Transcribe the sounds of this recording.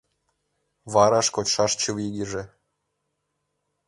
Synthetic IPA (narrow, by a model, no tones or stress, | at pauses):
βɑɾɑʃkot͡ɕʃɑʃt͡ɕuviɡʲiʒĕ